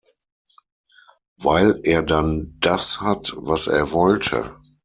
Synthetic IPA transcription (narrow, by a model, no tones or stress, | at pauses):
vaɪleːɐdand̥ashatvasḛːɐvɔltʰə̰